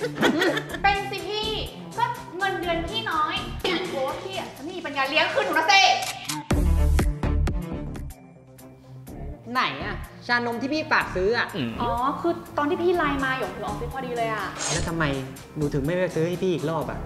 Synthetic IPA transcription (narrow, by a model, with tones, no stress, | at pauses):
pe˧nsi˨˩ŋt̪ʰiː˥˩ | kɔː˥˩ | ŋɤ˧ndɯ˧ənpʰiː˥˩nɔː˨˦˥jti˧nkʰu˨˩˦kʰiː˧˩a˨˩a˧˦ma˥˩mi˨˩pa˧njaː˧li˦əŋkʰɯː˥˩u˧na˧˥seː˧˥˩ | na˨˩˦jʔa˧˩t͡ɕʰaː˧no˧mt̪ʰiː˥˩pʰiː˥˩faː˨˩k̚sɯː˦˥ʔa˨˩ʔʔɔː˨˩˦kʰɯː˧t̪ɔː˧t̪ʰiː˥˩pʰiː˥˩laː˧jmaː˧ju˨˩u˧˦˨ɔː˨˩si˧˩˦pʰɔː˧˩diː˧lɤː˧jʔa˨˩lɛː˦˥wt̪ʰa˧mːa˧j | nuː˨˦t̪ʰɯ˨˩˦ŋma˥˩jɾksɯː˦˥ha˥˩jpʰiː˥˩˨k̚loː˥˩p̚a̰˨˩ʔ